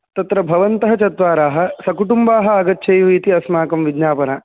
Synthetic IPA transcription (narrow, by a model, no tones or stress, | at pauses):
t̪ɐt̪ɾɐbʱɐʋɐnt̪ɐɦɐt͡ʃɐt̪ʋaːɾaːɦɐ̆sɐkuʈumbaːɦɐ̆ɐɡɐt̪ːʃʰɐjʋuit̪iɐsmaːkɐmʋid̪ɲaːpɐnɐ